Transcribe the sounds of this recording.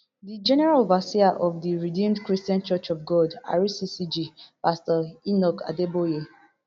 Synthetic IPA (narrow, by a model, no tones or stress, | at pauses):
did͡ʒɛnɛɹalvasiaʔɔfdiɹidĩmdkɹistiãnt͡ʃɔt͡ʃɔvɡɔda̰ɹisisid͡ʒipastɔinɔka̰deboje